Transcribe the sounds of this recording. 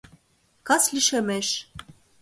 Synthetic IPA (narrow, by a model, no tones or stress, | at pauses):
kɑsliʃemeʃ